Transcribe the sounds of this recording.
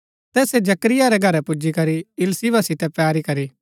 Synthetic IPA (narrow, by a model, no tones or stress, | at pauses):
t̪ɛːsed͡ʒɐkɾɪjaɾɛɡʱɐɾɛpʊd͡ʒikɐɾiɪlsiʋasɪt̪ɛpɛːɾikɐɾi